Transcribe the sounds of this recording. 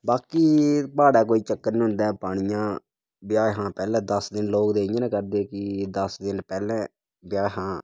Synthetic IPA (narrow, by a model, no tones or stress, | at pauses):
baːkiːpaːɽɛːk̬oːiːt͡ʃəkːəɾnːʊ̃nd̪ɛ̃ːpaːɽ̃ɪjãː | bjaːɦãːpɛːlɛ̃ːd̪əsd̪ɪnloːkd̪eːɪãːnɛ̃ːkəɾd̪eːkɪd̪əsd̪ɪnpɛːlɛ̃ː | bɪjaːɦãː